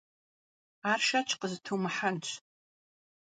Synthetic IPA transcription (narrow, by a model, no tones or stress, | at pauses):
aːrʃat͡ʃʰqəztʰumɨħant͡ʃʷʰʼ